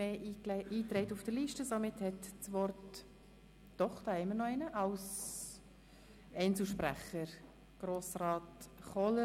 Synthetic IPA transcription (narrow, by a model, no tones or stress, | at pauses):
eːiːt̪ɾɛɪtufd̥əɾliːʃtəsomɪthɛtt͡sʋɔrtː | ɔχtɛɪmənɔɛnəʔɑws | ɛɪnt͡sl̩ʃpræ̰χəɾ | ɡ̥roːsrɑːtχɔlə